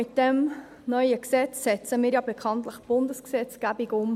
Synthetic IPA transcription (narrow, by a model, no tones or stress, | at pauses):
ɪt̚d̥ɛm | nœʏəksɛt͡sːɛt͡səmiːɾjɑbekʰɑntləχb̥ʊndəsksɛt͡sɡ̥æbiɡʊm